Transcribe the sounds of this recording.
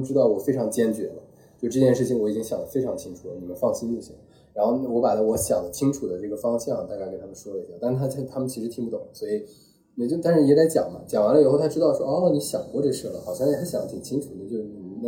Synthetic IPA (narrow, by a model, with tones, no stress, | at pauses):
u˧ʈ͡ʂɻ̩˥t̪ɑ˥˩ʊwɔ˨˩fe˥ɪʈ͡ʂʰɑ˧˥ŋt͡ɕjɛ˥nt͡ɕɥɛ̰˧˥lə̰˧ | t͡ɕjo˥˧ʂʈ͡ʂɤ˥˧t͡ɕjɛ˥˧nʂɻ̩˥˩t͡ɕʰi˩ŋwɔ˧˥i˨˩t͡ɕi˥ŋɕjɑ˨˩ld̪ə˦fe˥ɪʈ͡ʂʰɑ˧˥ŋt͡ɕʰi˥ŋʈ͡ʂʰu˨˩lə̰˦ni˨˩mə˦nfɑ˥˩ŋɕi˥ni˥˩ɕḭ˨˩ŋ | ɻa˧˥nxo˧ʊ˧wɔ˧˥pa˨˩lə˦wɔ˧˥ɕjɑ˨˩ŋd̪ə˦t͡ɕʰi˥ŋʈ͡ʂʰu˨˩d̪ə˦ʈ͡ʂɤ˥˩ɡə˩fɑ˥ŋɕjɑ˥˩ŋ˨˩a˥˧kke˨˩t̪ʰa˥mə˨nʂwɔ˥lə˧i˧˥˩ja˥˩t̪n˥˧t̪ʰa˥t͡ɕʰt̪ʰa˥mə˨nt͡ɕʰi˧˥ʂɻ̩˧˥t̪ʰi˧˥ŋpu˥˩t̪ʊ˨˩˦swɔ˧˥i˨˩ | ni˨˩t͡ɕjt̪a˥˧nʂɻ̩˥˩jɛ˥la˧˥t͡ɕjɑ̰˨˩ŋmɐ̰˦t͡ɕjɑ˨˩ŋwa˧˥nlə˧˨˩xo˥˩ʊt̪ʰa˥ʈ͡ʂɻ̩˥t̪ɑ˥˧ʊʂwɔ˥ʔni˧˥ɕjɑ˨˩ŋkwɔ˥˧ʈ͡ʂɤ˥˩ʂ̩˥˩lə̰˩xɑ˨˩ʊɕjɑ˥˩ŋjɛ˨˩xa˧˥ɪɕjɑ˨˩˦t͡ɕ̪ʰi˨˩t͡ɕʰi˥ŋʈ͡ʂʰu˨˥ni˨˩t͡ɕjo˥˧ʊ˥˨˩na˥˧˩